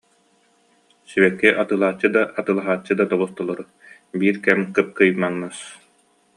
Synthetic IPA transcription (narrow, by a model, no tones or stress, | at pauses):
siβɛkːiʔat̪ɯːlˠaːt͡ɕːɯd̪aʔat̪ɯːlˠaɦaːt͡ɕːɯd̪at̪ɔβust̪ɔlˠɔɾu | biːɾkɛmkɯp̚kɯjmaŋnɯs